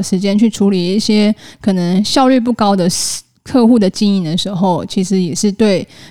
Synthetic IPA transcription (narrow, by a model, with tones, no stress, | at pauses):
ʂɻ̩˧˥t͡ɕjɛ˥nt͡ɕʰy˥˩ʈ͡ʂʰu˧˥li˧˥i˥˩ɕjɛ˥kʰɤ˨˩nə˧˦ŋɕjɑ˥˧ʊly˥˧p̬u˥˩kɑ˥ʊd̪ə˨ | kʰɤ˥˧xu˥˩d̪ə˩t͡ɕi˥ŋi˨˩d̪ə˩ʂɻ̩˧˥xo˥˩ʊt͡ɕʰi˧˥ʂɻ̩˧˦jɛ˨˩ʂɻ̩˥˧t̪we˥˩ɪ